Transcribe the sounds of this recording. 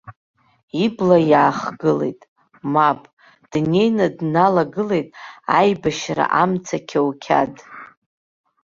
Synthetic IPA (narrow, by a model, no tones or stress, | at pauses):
iblajaːχɡɨle̞̰jtʼ | mapʼ | d̥ne̞jnadnalaɡɨle̞jtʼajbaʃra̰ʔamt͡sʰakʲʰawkʲʰa̰dʼ